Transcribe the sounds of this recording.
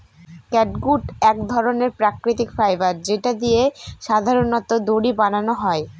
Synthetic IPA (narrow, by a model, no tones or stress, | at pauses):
kɛʈɡuʈɛkd̪ʱɔɾoneɾpɾakɾit̪ikfɾajbaɾd͡ʑeʈad̪ijeʃad̪ʱaɾonɔt̪od̪oɽibananoɦɔe